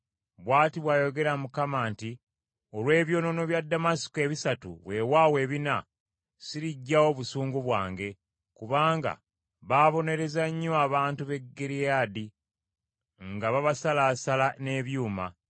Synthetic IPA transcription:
βwaːtiβwaːjo̞ɡe̞ɾamukamaːnti | o̞lwe̞ːβjo̞ːno̞no̞βjadːamasi̥koe̞βisatṵβwe̞waːwe̞ːβina | siɾiɟːawo̞βusuːŋɡuβwaːŋɡe̞ | kuβaːŋɡa̰ | βaːβo̞ne̞ɾe̞zaɲːoaβaːntuβe̞ɡːe̞ɾijaːdi | ŋɡaβaβasalaːsalane̞βjuːma

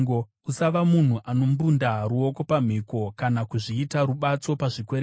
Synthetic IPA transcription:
ɡo | usaʋamun̤uʔʔano̞mbundaɾuo̞ko̞pam̤iko̞kanakuʐiːtaɾuɓat͡so̞paʐikweɾe

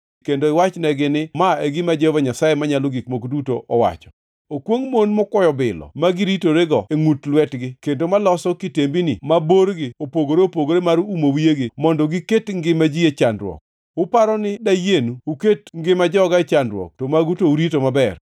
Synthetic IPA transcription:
kendoɪwat͡ʃnɛɡɪnɪmaeɡɪmad͡ʒɛvaɲasajemaɲaloɡikmokdutoʔɔwa̰t͡ʃɔ̥ | okwoŋmonmɔkwɔjɔbɪlɔ̰maɡɪɾitoɾeɡɔeŋutlwɛtɡɪkendomalɔsɔkitembinɪmaboɾɡɪopoɡoɾeopoɡoɾemaɾuumowijeɡɪmɔndɔɡɪketŋɡɪmad͡ʒiet͡ʃandɾwɔ̰k̚ | ʊpaɾɔnɪdajenuuketŋɡɪmad͡ʒɔɡat͡ʃandɾwɔ̰k̚tomaɡutouɾitomabɛr

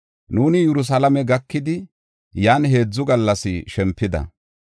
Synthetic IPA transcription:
nuːnɪjɛɾʊs̬ɐlɐmɛɡɐkːɪd̪ɪ | jaːnɦe̞ːd͡zːʊɡɐlːɐsɪʃɛmpːɪd̪ɐ̰

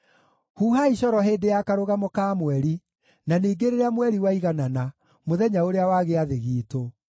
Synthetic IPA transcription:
huːhaiɕɔɾɔɦeːdejakaɾoɣamokaːmwɛɾi | naneːɡeɾeɾeamwɛɾiwaiɣanana | moðɛɲaoɾeawaːɣeaðeɣiːto

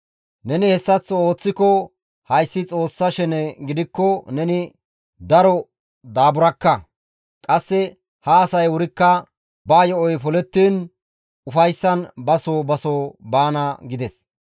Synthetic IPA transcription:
nɛnɪhɛsːɐt͡sːɔo̞ːt͡sːɪkɔ | hɐjsːɪt͡sʼo̞ːsːɐʃɛnɛɡɪd̪ɪkːɔnɛnɪ | d̪ɐɾɔ | d̪aːbʊɾɐkːɐ | kʼɐsːɛ | hɐːsɐjwʊɾɪkːɐ | baːjɔɔjpɔlɛt̪ːiːn | ʊfɐjsːɐnbɐsoːbɐsoːbaːnɐɡɪd̪ɛs

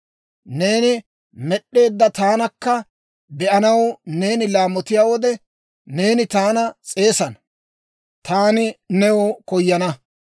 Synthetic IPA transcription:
ne̞ːnɪ | mɛɗːe̞ːd̪ːɐt̪aːnɐkːɐ | bɛʔɐnɐwne̞ːnɪlaːmɔt̪ɪjaːwɔd̪ɛ | ne̞ːnɪt̪aːnɐt͡sʼe̞ːsɐn | t̪aːnɪnɛwɔkɔjːɐnɐ

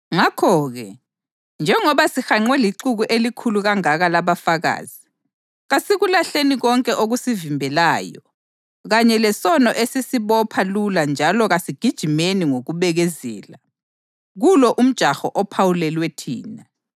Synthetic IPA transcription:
ŋakʰɔːɣɛ | nd͡ʒʱɛŋɔβasixaŋ͡ǀwɛliǃuɣuʔelikʰuluɣaŋaɣalaβafaɣa̰ːz̥i | ɣasiɣulaɬeniɣɔŋkʼɛʔoɣusivimbʱɛlaːjɔ | ɣaɲɛlɛsɔnɔʔesisiβɔpʰaluland͡ʒʱalɔɣasiɡ̥ʱid̥ʒ̥ʱimeniŋoɣuβɛɣɛzɛ̰ːla | ɣulɔʔum̩d̥ʒ̥ʱaxɔʔɔpʰawulɛlwetʰiːna

